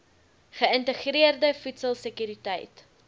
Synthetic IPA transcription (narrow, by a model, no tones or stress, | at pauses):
χəəntəχriərdəfutsəlˠsəkyɾitəjt